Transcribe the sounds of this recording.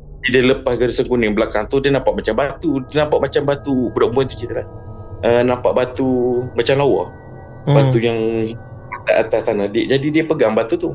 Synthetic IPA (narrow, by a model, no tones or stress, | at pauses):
idələpasɡaɾisəŋkunɪŋbəlakaŋt̪udiənãmpaʔmat͡ʃambat̪udnampaʔmat͡ʃambat̪ubudaʔmbuant̪ukit̪əlahʔənãmpaʔbat̪umat͡ʃamlawɔ | bat̪ujaŋ | at̪a̰ʔat̪ast̪anadiəʔd͡ʒadidiəpəɡaŋbat̪ut̪u